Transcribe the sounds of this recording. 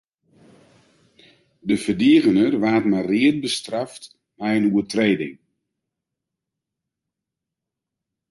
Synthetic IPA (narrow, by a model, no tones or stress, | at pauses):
dəfərdiəɣənərʋaːtmariət̚bəstraft | mɛjənuətreːdɪ̰ŋ